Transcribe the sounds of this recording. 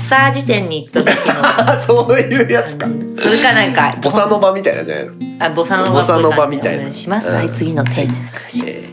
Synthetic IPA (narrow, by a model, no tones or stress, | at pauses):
saːd͡ʑit̪ẽ̞ɲ̟ːiːt̪ːo | soːjɯ̟ːjat͡sɨ̥kasɨɾɯkanãŋkabo̞sanobamʲit̪aina̰zḭa̰nabo̞sanobosanobamʲit̪a̰ḭnɕimasɨait͡sɨɡʲino̞t̪ʰeɕi